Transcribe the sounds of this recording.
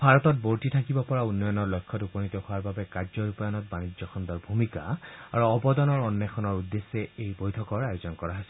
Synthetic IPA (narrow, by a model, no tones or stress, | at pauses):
bʱaɹɔtɔt̚boɹtitʰakibɔpɔɹaunːɔjɔnɔɹlɔjkʰːɔtupɔnitɔhʊaɹbabɛkaɹzɔɹupajɔnɔt̚banid͡ʒɔxʰɔndɔɹbʱumika̰a̰ɹuɔbɔdɔnɔɹɔnːɛxʰɔnɔɹudːesːɛejbojtʰɔkɔɹajozɔnkɔɹaɦasɛ